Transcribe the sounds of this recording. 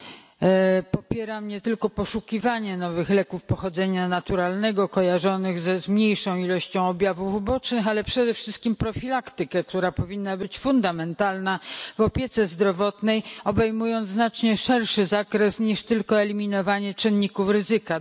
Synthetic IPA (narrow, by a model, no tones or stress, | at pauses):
pɔpʲjɛɾamɲɛt̪ɘlkɔpɔʂukʲivaɲɛnɔvɘxlɛkufpɔxɔd̪zɛɲanat̪uɾalnɛɡɔkɔjaʐɔnɘɣzɛzmɲejʂɔ̃w̃ilɔɕt͡ɕɔ̃w̃ɔbʲjavuvbɔt͡ʂnɘxalɛpʂɛd̪ɛfʂɘst̪kʲimpɾɔfʲilakt̪ɘkɛkt̪uɾapɔvʲinːabɘt͡ɕfund̪amɛnt̪alnavɔpʲjɛt̪sɛzd̪ɾɔvɔt̪nɛjɔbɛjmujɔnt̪znat͡ʂɲɛʂɛɾʂɘzakɾɛsɲiʂt̪ɘlkɔɛlʲimʲinɔvaɲɛt͡ʂɘnɲːikufɾɘzɘka